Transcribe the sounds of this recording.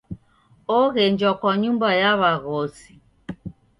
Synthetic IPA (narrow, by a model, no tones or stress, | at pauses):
ɔɣɛnd͡ʒwakwaɲumbajaβaɣɔsi̥